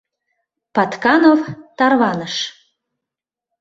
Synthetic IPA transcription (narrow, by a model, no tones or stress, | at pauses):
pɑt̪kɑnovt̪ɑrβɑnəʃ